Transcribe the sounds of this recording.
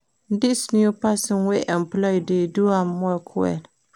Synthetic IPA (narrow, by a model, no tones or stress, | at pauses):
dɪsniupasɪnwɛʔɛmplɔideduaːɔkʰʊɛ̰l